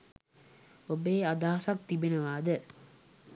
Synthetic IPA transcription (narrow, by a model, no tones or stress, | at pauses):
obeːad̪aːɐsɐk̚t̪ibenɐʋaːd̪ə